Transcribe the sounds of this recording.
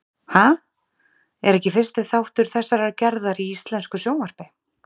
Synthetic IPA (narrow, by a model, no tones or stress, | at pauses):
ha | ɛɾɛhcɪfɪr̥st̪ɪθawht̪ʏɾ̥θɛsːaɾaɾcɛɾðaɾiist̪lɛnskʏsjownvaɾ̥pɪ